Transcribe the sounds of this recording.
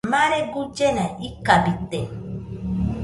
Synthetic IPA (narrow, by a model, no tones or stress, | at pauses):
maɾeɡud͡ʒenaʔikabiten